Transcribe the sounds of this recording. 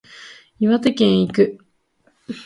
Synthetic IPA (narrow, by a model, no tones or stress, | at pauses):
iβat̪ekʲẽɰ̃ikɯ̟